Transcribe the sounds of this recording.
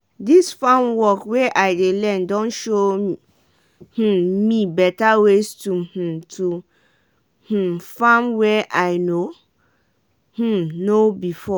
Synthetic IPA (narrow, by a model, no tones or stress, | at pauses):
disfãmwɔkwɛʔaɪdelɛ̃ndɔ̃nʃo | h̩mĩbɛtawestuh̩tʰu | h̩fãmwɛʔaɪno | h̩nobifɔ